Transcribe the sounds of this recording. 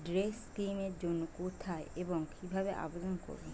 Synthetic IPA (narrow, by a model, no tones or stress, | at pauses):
ɖɾeskimeɾd͡ʑonːukut̪ʰaeeboŋkibʱabeʔa̰bed̪onko̰ɾbe